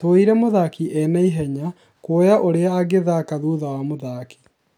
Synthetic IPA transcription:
oiɾɛmoðakiʔɛnaiɦɛɲa | kojaʔoɾeaːɣeðakaðuðawamoðaki̥

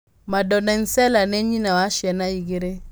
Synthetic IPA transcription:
madɔnɛnsɛlanɛɲinawaʃjɛnaiɡeɾe

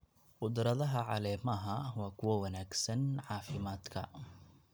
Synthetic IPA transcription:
qʊd̪rɐðɐɦɐʕɑ̰lɛːmɐɦɐwɑːkʰʊwɐwɑnaːɡsɐnʕɑːfɪmaːd̪kʰɐ̰

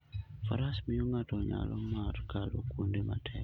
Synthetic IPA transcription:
faɾasmijuŋatoɲa̰lomaɾkalokundema̰tʰɛ̰k

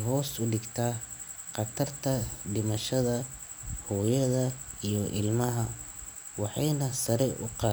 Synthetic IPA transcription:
ɦɔːsʊɖɪɡt̪ʰaː | qɑt̪ʰɐrt̪ʰɐɖɪmɐʃɐðɐ | hɔːjɐðɐ | ijɔʔɪ̰lmɐɦɐ | wɑħɑjnɐsɐɾɛʔʊ̰qɑː

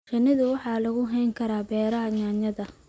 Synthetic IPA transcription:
qɪnɪðʊwɑħɑːlɐɣʊɦɛjŋkʰɐɾaːbɛːɾɐɦɐɲaːɲɐðɐ

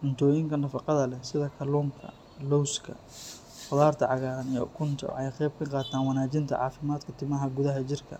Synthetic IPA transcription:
ʔʊnt̪ʰɔːjɪŋkʰɐnɐfɑqɑðɐlɛsɪðɐkʰɐluːŋkʰɐ̰ | lɔwskʰɐ̰ | fʊðaːrt̪ʰɐʕɑɣaːðɐnijɔ̰kʰʊnt̪ʰɐ̰w̰ħɛjqɛjb̚kʰɐqɑːt̪ʰaːnwɑnaːt͡ʃɪnt̪ʰɐ̰ʕɑ̰ːfɪmaːd̪kʰɐt̪ʰɪmɐɦɐɡʊðɐɦɐt͡ʃɪrkʰɐ̰

